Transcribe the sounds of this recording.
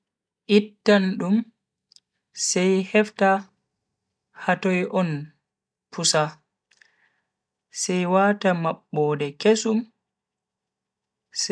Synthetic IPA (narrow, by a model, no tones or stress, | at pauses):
ʔitːanɗum | sɛjhɛfta | hatɔjʔɔn | pʰusa | sɛjwaːtamaɓːɔːdɛkesum | s